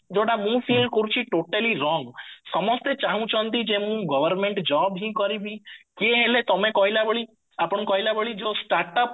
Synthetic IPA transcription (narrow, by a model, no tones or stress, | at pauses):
d͡ʒoʈamũpʰilɖkɔɾut͡ʃʰiʈoʈeliɾɔŋsɔmɔst̪et͡ʃaɦũt͡ʃʰɔnt̪id͡ʒemũɡɔbəɾmeɳʈd͡ʒɔbɦĩkɔɾibĩkeɦelet̪ɔmẽkɔɦilabɔɭi | apɔɳkɔɦilabeɭid͡ʒosʈaɾʈɔp